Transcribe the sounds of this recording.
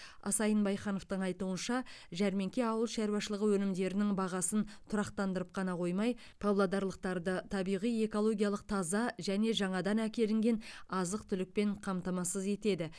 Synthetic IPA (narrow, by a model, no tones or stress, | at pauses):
ɑ̰sɑjənbɑjχɑno̞ft̪əɴɑjt̪uənʃɑʒæɾme̞ŋkʲe̞ɑwəlˠʃæɾuwɑʃəlˠəʁəwɵnɪmd̪e̞ɾɪnɪŋbɑʁɑsənt̪ʰʊɾɑqt̪ɑnd̪əɾəp̚qʰɑnɑqʰo̞jmɑj | pʰoblˠad̪ɑɾlˠəq̚t̪ɑɾd̪ət̪ʰɑbijʁije̞ko̞lˠo̞ɡʲijɑlˠəq̚t̪ʰɑzɑʒæne̞ʒɑɴɑd̪ɑnækʲe̞lɪŋɡʲe̞nɑzəq̚t̪ʰʏlɪk̚pe̞ɴqʰɑmt̪ɑmɑsəze̞t̪e̞d̪ɪ